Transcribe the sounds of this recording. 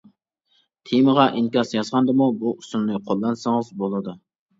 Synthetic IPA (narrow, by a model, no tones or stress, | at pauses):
t̪ʰemɨʁɑʔiŋkʲɑsjɑzʁɑnd̪ɨmubuusunnɨqʰolˠːɑnsɨŋɨzbolˠɨd̪u